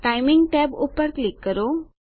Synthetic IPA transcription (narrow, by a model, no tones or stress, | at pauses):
ʈajmiŋɡʈɛbupːəɾklikːəɾo